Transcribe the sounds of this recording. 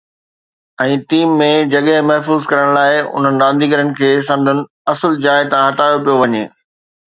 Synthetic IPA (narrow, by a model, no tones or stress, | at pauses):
ɛ̃ːʈiːmːẽd͡ʑɐɠəɪ̃mɐɦfuːzkɐɾəɽ̃laːɪʊ̰n̤ənɪ̆ɾãːnd̪ʱiːɡəɾənɪ̆kʰeːsɐ̃nd̪ʱʊnɪ̆ | ɐsəld͡ʑaːɪt̪ãɦɐʈaːjopijoʋɐɲeː